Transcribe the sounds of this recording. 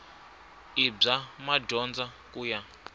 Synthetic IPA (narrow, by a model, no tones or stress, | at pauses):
ib͡ʐamaɟʱɔnd͡za | kuːja